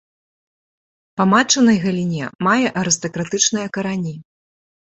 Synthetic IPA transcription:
pɐmat͡ʂɐnɐjɣɐlʲinʲɛmajɛʔɐɾɨst̪ɐkɾat̪ɨt͡ʂnɨjɐkɐɾanʲi

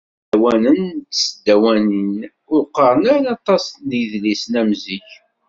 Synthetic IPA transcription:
wænənt̪səd̪ːæwænən | ʊqːəɾˤənænɑt̪ˤɑsniðlisnæmziç

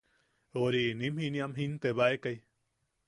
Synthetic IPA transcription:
oɾinĩmhĩnĩamɦint̪eβaekaj

